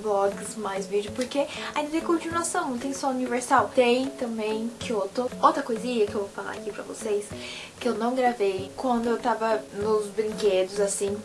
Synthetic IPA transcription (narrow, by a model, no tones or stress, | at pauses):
blɔɡɪsmajzvid͡ʒʊpoɾkeaĩd̪ɐt̪ẽj̃kõt͡ʃinuasɐ̃w̃nɐ̃w̃t̪ẽj̃sɔuniveɾsawt̪ẽj̃t̪ɐ̃mbẽj̃kʰɪot̪ɾʊowt̪ɾɐkojzĩɲɐkɪewvowfala̰ɾakipɾɐ̰vo̰sejs | kɪewnɐ̃w̃ɡɾavejkwɐ̃nd̪ʊewt̪avɐnʊzbɾĩŋked̪ʊzasĩ